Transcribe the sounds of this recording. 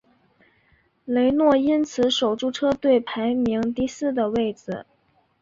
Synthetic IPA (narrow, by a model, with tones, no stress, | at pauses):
le˧˥ɪnwɔ˥˩i˥nt͡sʰɹ̩˧˥ʂo˨˩ʊʈ͡ʂu˥˩ʈ͡ʂʰɤ˥t̪we˥˩ɪpʰa˧˥ɪmi˧˥ŋt̪i˥˧sɹ̩˥˩d̪ə˩we˥˩ɪd͡zɹ̩˨˩